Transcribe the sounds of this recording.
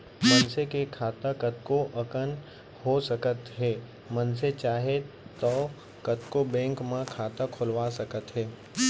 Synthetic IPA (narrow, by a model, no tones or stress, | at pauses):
mɐnsekekʰaːt̪akət̪̚koʔɐkən | ɦosəkət̪ɦɛː | mɐnset͡ʃaːɦe | t̪ɔː | kɐt̪kobɛ̃ːŋkmãkʰaːt̪akʰʊlʋaːsɐkət̪ɦɛː